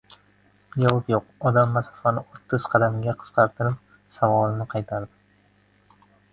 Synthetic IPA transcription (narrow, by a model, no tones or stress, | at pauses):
jɒlˠɨpjoqɒd̪amːasɑ̥fanɪot̪ʰːɨz̥qʰɑd̪amɡʲaqʰɨ̥sqɑɾt̪ʰɨɾɪp̚ | savɒlˠɪnɪqʰɑjt̪ʰaɾd̪ɪ